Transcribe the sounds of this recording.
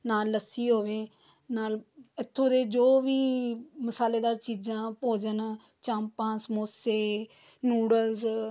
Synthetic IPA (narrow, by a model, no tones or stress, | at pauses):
naːlːəsiːɦoːʋeː | naːlɪt̪ʰːõːɾeːd͡ʒoːʋiːməsaːleːd̪aːɾt͡ʃiːd͡ʒãːpoːd͡ʒən | t͡ʃãːmpãːsmoːseː | nuːɽəlz